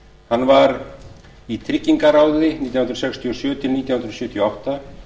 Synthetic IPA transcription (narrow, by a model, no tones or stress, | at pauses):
hanːvaɾ | it̪ʰɾɪcːiŋkaɾawðɪniːt̪jawhnɾsɛkst̪ʰiɔsjʏːʏt̪ʰɪliːt̪jawhnɾsjʏːt̪ʰijɔawht̪a